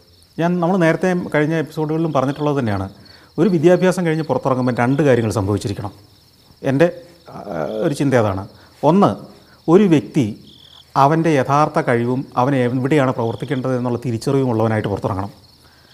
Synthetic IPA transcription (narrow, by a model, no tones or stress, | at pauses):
ɲaːnnɐmːɐɭne̞ːɾɐt̪ːe̞kɐɻiɲːɐepːi̥so̞ːɽuɣɐɭilumpɐrɐɲːiʈːuɭːɐðɨt̪ɐnːejaːɳɨ | o̞ɾuʋid̪jaːbʱjaːsɐmkɐɻiɲːɨpurɐt̪ːurɐŋːumɐnɾeɳɖɨkaːɾjɐŋːɐɭsɐmbʱɐʋit͡ɕːiɾikʲːɐɳɐm | e̞nde̞ | o̞ɾut͡ɕind̪ɐɐða̰ːɳɨ | o̞nːɨ | o̞ɾuʋje̞k̚t̪i | ɐʋɐnde̞jet̪ʰaːrt̪ːɐkɐɻiʋumɐʋɐneiʋiɽejaːɳɨprɐʋɐrt̪ikʲːeːɳɖɐðe̞nːuɭːɐt̪iɾit͡ɕːɐrʋiʋumuɭːɐʋɐnaːjiʈːɨpurɐt̪ːurɐ̰ŋːɐɳɐm